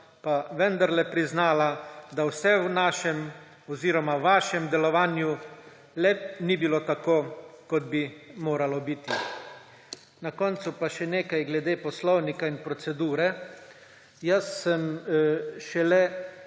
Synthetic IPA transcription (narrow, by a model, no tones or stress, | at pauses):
paʋɛnd̪aɾlɛpɾiznaːlad̪awsɛwnaːʃɛm | ɔziːɾɔmaʋaːʃɛmd̪ɛlɔʋaːnju | lɛnibiloːt̪akoːkɔd̪̚bimoːɾalɔbit̪i | nakɔnt̪supaʃɛneːkajɡlɛd̪eːpɔslɔwnikainpɾɔt̪sɛd̪uːɾɛ | jasːəm | ʃɛlɛ